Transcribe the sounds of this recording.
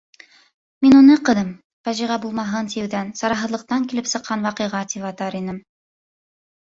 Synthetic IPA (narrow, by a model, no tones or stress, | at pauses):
minunɤqɤ̆ðɤm | fæʒiʁɑbulˠmɑɦɤnt̪ijɘwðænsɑɾɑɦɤ̆ðlˠɤ̆q̚t̪ɑŋkilɘpsɤ̆qːɑnwɑqɤ̆jʁɑt̪ipɑt̪ɑɾinɘm